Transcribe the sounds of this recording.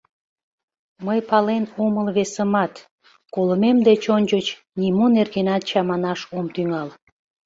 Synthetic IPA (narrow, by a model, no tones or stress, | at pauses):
məjpɑlenoməlβesəmɑt̪ | koləmemd̪et͡ɕonʲt͡ɕət͡ɕ | nimunerɣenɑt̪̚t͡ɕɑmɑnɑʃomt̪yŋɑl